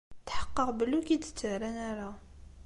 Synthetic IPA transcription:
t̪ħə̥qːəqbəlukid̪ə̥t͡s̪ːəɾænaɾa

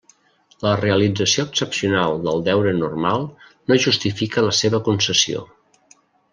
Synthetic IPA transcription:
ləreəlid͡zəsioəksəpsiunalˠd̪əlˠd̪ɛwɾənurmalˠnoʒust̪ifikələseβəkunsəsio̰

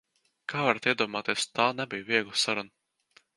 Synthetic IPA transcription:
kʰaːvaɾat̪iɛd̪uɔmaːt̪eɛst̪aːnɛbijviɛɡlˠɨsaɾun

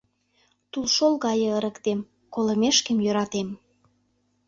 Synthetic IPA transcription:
t̪ulʃolɣɑjɤ̆ə̆ɾə̆kt̪em | kolə̆meʃkəmjøɾɑt̪em

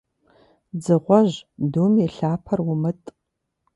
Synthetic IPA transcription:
d͡zɨʁʷɔʑduːmeɬaːpʰɐrwʊmɨtʼ

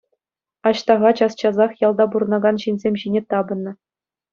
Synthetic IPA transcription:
ɑɕt̪ɑʁɑt͡ɕɑst͡ɕɑzɑχjɑlˠd̪ɑbuɾɤ̆nɑɡɑnɕinʲzʲemʲɕinʲet̪ɑbɤ̆nːɤ̆

